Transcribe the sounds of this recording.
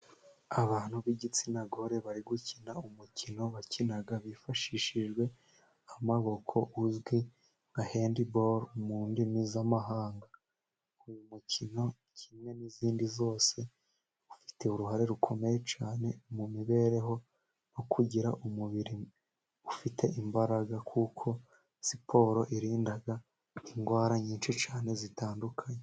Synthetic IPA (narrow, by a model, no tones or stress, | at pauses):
aβaːn̥huβiɟit͡sinaɡo̞ɾe̞βaɾiɡucinaumucino̞βacinaɡaβifaʃiːʃiʒɡwe̞ | amaβo̞kʰo̞ʔuzɡwi | ŋɡahe̞ːndiboɾumuːndinizamaɦaːŋɡa | ujumucino̞ | cʰimŋe̞niziːndizo̞ːse̞ | ufi̥te̞uɾuɦaɾe̞ɾukʰo̞me̞je̞t͡ʃaːne̞mumiβe̞ːɾe̞ɦo̞ | nokʰuɟiɾa̰ʔumuβiɾi | ufitʰe̞ʔimbaɾaɡakʰuːkʰo̞ | sipʰo̞ːɾo̞ʔiɾiːndaɡa | iŋɡwaːɾaɲiːnʃit͡ʃaːne̞zitaːndukʰaɲe